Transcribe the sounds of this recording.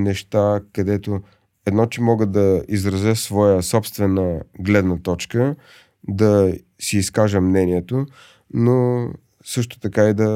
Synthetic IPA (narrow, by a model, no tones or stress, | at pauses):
nɛʃt̪akɐd̪ɛt̪o | ɛd̪nɔt͡ʃɛmɔɡəd̪ɐizɾɐzɛsvɔjəsɔpst̪vɛnəɡlɛd̪nət̪ɔt͡ʃkə | d̪ɐ | siːskaʒəmnɛniɛt̪o | no | sɤʃt̪o̥t̪ɐkaid̪ɐ